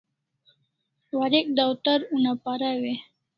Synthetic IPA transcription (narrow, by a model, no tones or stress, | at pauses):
waɾik̚d̪awt̪əɾunapaɾawe